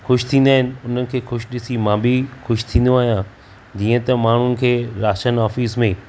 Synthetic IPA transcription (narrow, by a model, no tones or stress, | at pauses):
xʊʃt̪ʰĩːn̆d̪aːɦɪ̃nɪ̆ʊn̤ənɪ̆kʰeːxʊʃɗɪsimãːbixʊʃt̪ʰĩːnd̪oaːɦijã | d͡ʑiːə̃t̪ɐmaːɳ̤ʊnɪ̆kʰeːɾaːʃənɔːfiːsmẽ